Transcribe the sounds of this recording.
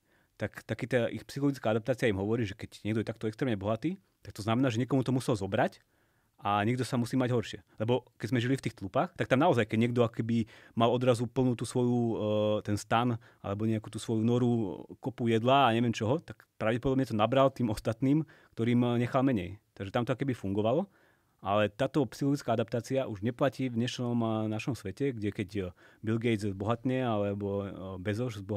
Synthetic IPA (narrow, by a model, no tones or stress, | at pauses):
t̪akt̪akiːt̪ɛʔixpsixɔlɔɡit͡skaad̪apt̪aːt͡siaimɦɔʋɔɾiːʒɛkɛɟɲɛɡd̪ɔjɛt̪ak̚t̪ɔɛkst̪ɾɛːmɲɛbɔɦat̪iː | t̪ak̚t̪ɔznamɛnaːʒɛɲɛkɔmut̪ɔmusɛlzɔbɾac | ʔaɲɛɡ̚d̪ɔsamusiːmaɟɦɔɾʃɪɛlɛbɔkɛɟzmɛʒilift̪iːxt̪lupaxt̪ak̚t̪amnaɔzajkɛɟɲɪɛɡ̚d̪ɔakɔ̥kɛbimalɔd̪ɾazupl̩ˠnuːt̪uːsʋɔjut̪ɛnst̪an | ʔa̰lɛbɔɲɛakuːt̪uːsʋɔjunɔɾukɔpujɛd̪laːɲɛʋɪɛmt͡ʃɔɦɔt̪akpɾaʊɟɛpɔd̪ɔbɲɛt̪ɔnabɾalt̪iːmɔst̪at̪niːmkt̪ɔɾiːmɲɛxalˠmɛɲɛ̰jt̪aɡʒɛt̪amt̪ɔakɔkɛbifuŋɡɔʋalɔ | ʔalɛt̪aːt̪ɔpsixlɔɡit͡skaad̪ap̚t̪aːt͡siaʔuʒɲɛplaciːvɲɛʃnɔmnaʃɔmsʋɛcɛɡɟɛkɛɟbilɡɛj̪zzbɔɦat̪ɲɛalɛbɔbɛzɔʒzbɔ